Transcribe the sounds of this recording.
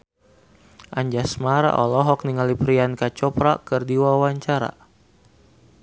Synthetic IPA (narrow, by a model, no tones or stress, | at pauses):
ʔaɲd͡ʒasmaɾa̰ʔɔlɔɦɔk̚niŋalipɾiankat͡ʃɔpɾakɨrdiwawaɲt͡ʃaɾa̰